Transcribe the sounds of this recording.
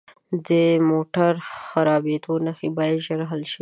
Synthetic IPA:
d̪əmoʈaɾxaɾɑbed̪onaxibɑjad̪ʒəɾɦalʃi

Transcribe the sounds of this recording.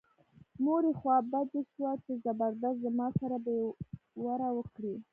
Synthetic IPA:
noɾexwɑbad̪eʃwat͡ʃezabaɾd̪azzamɑsaɾabewaɾawəkɽi

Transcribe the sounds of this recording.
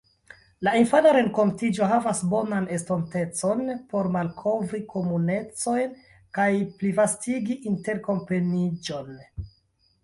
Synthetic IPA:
lainfanaɾe̞ŋko̞ntid͡ʒo̞ɦavasbo̞nane̞sto̞nte̞t͡so̞npo̞ɾmalkʰo̞vɾikʰo̞mune̞t͡so̞jn | kajplivastiɡiʔinte̞ɾko̞mpe̞nid͡ʒo̞n

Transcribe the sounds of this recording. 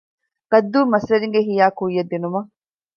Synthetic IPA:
ɡ̥ɐd̪ːuːmɐslɐɾiŋɡeɦijaːkujːɐd̪ːinumɐ

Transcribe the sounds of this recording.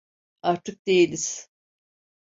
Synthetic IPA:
aɾt̪ʰɯk̚d̪e̞jilʲiz̥

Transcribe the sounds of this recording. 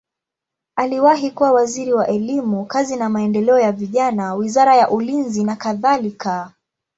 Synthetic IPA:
aliwaɦikuwawaziɾiwaʔɛlimukazinamaɛndɛlɛɔjaviʄanawizaɾajaʔulinzinakaðalika

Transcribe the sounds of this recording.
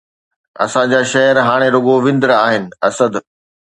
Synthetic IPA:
ɐ̰sãd͡ʑaːʃɐɦəɾɦaːɽ̃eɾʊɡoʋɪ̃nd̪ɾaːɦɪnɪ̆ɐsəd̪

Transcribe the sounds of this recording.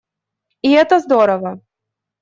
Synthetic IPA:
iɛt̪ɐzd̪ɔɾɐvɐ

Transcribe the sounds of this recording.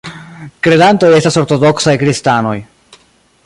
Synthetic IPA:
kɾe̞danto̞je̞staso̞ɾto̞do̞ksajkɾistano̞j

